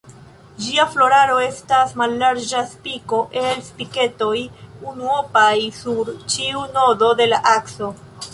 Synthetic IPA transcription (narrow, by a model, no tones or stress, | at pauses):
d͡ʒiaflo̞ɾaɾo̞e̞stasmalːaɾd͡ʒaspiko̞ʔe̞lspike̞to̞junuo̞pajsuɾt͡ʃiuno̞do̞de̞laʔakso̞